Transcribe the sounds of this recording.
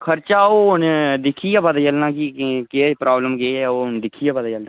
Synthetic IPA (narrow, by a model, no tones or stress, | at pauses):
kʰəɾt͡ʃaːoːɦʊnd̪ɪkʰiːaːpəd̪aːt͡ʃəlnãːkikeːpɾaːbləmɡeoːɦʊnd̪ɪkʰːiːaːpəd̪at͡ʃəlnã